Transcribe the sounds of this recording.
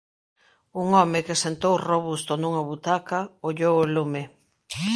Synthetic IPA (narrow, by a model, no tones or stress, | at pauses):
uŋɔmɪkesent̪owroβust̪onuŋɐβut̪akɐoʎowolume